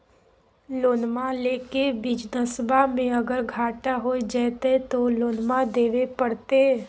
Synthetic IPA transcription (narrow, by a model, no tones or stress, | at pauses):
loːnmaleːkebɪd͡ʒnəsəbʱamẽɐɡəɾɡʱaːʈaɦoːed͡ʒɛːt̪et̪oloːnmad̪eːʋepəɽt̪e